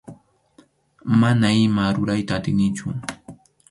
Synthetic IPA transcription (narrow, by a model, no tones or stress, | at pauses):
manaɪmaɾʊɾajt̪aːt̪ɪnɪt͡ʃʊ̰